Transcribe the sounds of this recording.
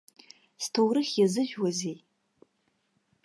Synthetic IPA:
stʰowɾɨχʲjazɨʒᶣwazej

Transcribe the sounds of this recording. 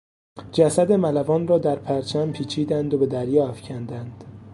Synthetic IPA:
d͡ʒæsæd̪e̞mælævɒːnrɒːd̪æɾpʰæɾt͡ʃʰæmpʰiːt͡ʃʰiːd̪ænd̪obe̞d̪æɾjɒːæfcʰænd̪ænd̪̥

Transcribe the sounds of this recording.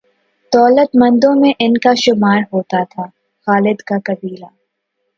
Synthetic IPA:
d̪̥ɔːlət̪mɐ̃nd̪õmẽʔɪnkaʃʊmaːɾɦoːt̪at̪ʰaː | xaːlɪd̪kakɐbiːlaː

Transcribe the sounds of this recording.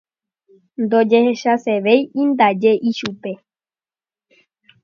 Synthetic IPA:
nd̪od͡ʒeheʃaseʋe̞jĩnd̪ad͡ʒe̞ʔiʃupe̞

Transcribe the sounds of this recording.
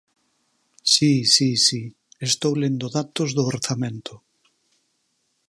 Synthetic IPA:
sisisi | est̪owlend̪oðat̪ozðʊoɾθamẽnt̪ʊ

